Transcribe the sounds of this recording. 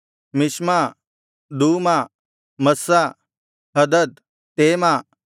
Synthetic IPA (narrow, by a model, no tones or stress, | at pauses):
mɪʃma | d̪uːmaː | mɐsa | ɦɐd̪əd̪̚ | t̪eːmaː